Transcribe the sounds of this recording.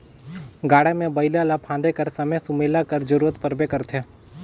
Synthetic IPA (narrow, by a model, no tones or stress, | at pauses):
ɡaːɽemẽbəɪlalapʰãːnd̪ekəɾsɐmesʊmeːlakəɾd͡ʒəɾuːɾət̪pəɾbekəɾt̪ʰe